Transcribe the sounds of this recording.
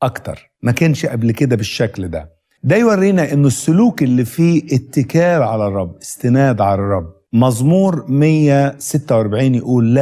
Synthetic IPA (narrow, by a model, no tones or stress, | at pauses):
ʔɑkt̪ɑ̰ɾˤ | mækænʃʔæblkɪd̪æbɪʃːækld̪æ̰ | d̪æjwærːiːnæʔɪnːʊsːʊluːkʔɪlːiːfiːʔɪt̪ːɪkæːlʕalærˤːɑbːɪst̪ɪnæːd̪ʕalɑrˤːɑbː | mɑzˤmuːɾmɪjːæsɪt̪ːæwʔɑɾbaʕiːnjɪʔuːlːæ